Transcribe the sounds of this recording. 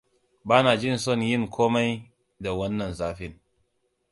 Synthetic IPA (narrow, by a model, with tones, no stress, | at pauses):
baː˦naː˨d͡ʒɪ˦˨nsɔ˦˨njɪ˦˨ŋkʷʰoː˦ma˦j | da˨wɐ˦nːɐ˨nzaː˦ɸɪ˦n